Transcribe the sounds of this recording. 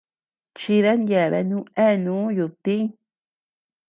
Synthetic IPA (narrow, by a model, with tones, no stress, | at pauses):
t͡ʃi˧ða˦nje˧˨βḛ˧nũ˦ẽ˦˨nũ˨˦ju˧t̪ĩ˦